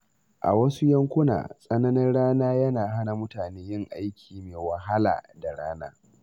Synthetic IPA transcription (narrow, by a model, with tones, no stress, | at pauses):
ʔa̰˨wɐ˦su˦jɐ˦ŋkʷʊ˦na̰ː˨sʼɐ˦nɐ˦nɪ˦nɽaː˦naː˦jɐ˦naː˨ɦa˦na˨mʊ˦taː˨neː˦jɪ˦ŋʔa˦jkʲʰiː˨meː˨wɐ˨ɦa˦la̰ː˨da˨ɽaː˦naː˦